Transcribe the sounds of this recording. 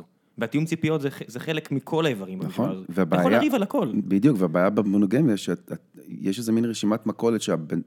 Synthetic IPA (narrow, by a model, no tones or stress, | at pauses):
o | veat̪ijumt͡sipijo̞tzeezeχelekmikʰo̞laevaʁimanaχonveabaːjjaʁivalako̞lbidijukveabaːjabemonoɡemjaʃeaa | jeʃezeminʁeʃimatmako̞let̪ʃeabe